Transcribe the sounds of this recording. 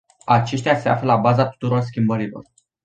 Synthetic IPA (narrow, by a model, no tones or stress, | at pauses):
at͡ʃe̞ʃt̪ease̞a̰flelabazat̪u̥t̪uɾo̞rs̬kʲimbəɾilo̞̰r